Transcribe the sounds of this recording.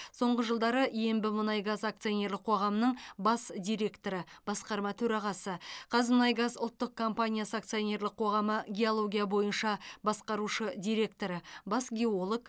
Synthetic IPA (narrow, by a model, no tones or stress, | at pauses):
so̞ɴʁəʒəlˠd̪ɑɾəʔje̞mbɪmʊnɑjɡɑzak̚t̪sɨonʲe̞ɾlɪqʰo̞ʁɑmənəɴbɑsd̪ʲijɾe̞kt̪oɾəb̥ɑsqɑɾmɑt̪ʰɵɾɑʁɑsəqʰɑzmʊnɑjɡɑzʊlˠt̪ːəq̚kʰo̞mpanʲijasəak̚t̪sɨjonʲe̞ɾlɪqʰo̞ʁɑməɡʲe̞o̞lˠo̞ɡʲijabo̞jənʃɑbɑsqɑɾuʃəd̪ijɾe̞k̚t̪o̞ɾəbɑsɡʲe̞olˠoɡ